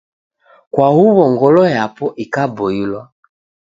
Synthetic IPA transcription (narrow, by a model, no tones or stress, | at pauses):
kwahuβɔŋɡɔlɔjapɔʔikabɔilwa